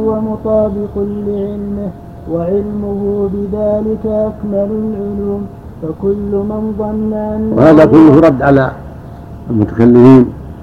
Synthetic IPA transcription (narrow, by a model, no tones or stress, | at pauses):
wamʊt̪ˤɑːbɪqʊːɪʕɪlmɪh | waʕɪlmʊhʊbɪðaːlɪkaʔakmalalʕʊluːm | fakʊlːmɪnðˤɑnːaʔanːw̰haːðakʊlːʊhɾˤɑd̪ːʕala | lmʊt̪ḁkalːɪmiːn